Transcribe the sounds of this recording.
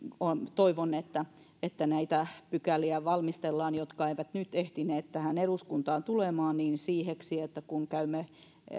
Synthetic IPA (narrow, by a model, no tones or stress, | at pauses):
ont̪oiʋonet̪ːæ | et̪ːænæit̪æpykæliæʋɑlmist̪elːɑːnjot̪kɑeiʋæt̪nyt̪eht̪ineːt̪t̪æhæneɾuskunt̪ɑːnt̪ulemɑːnniːnsiːheksiet̪ːækuŋkæymːe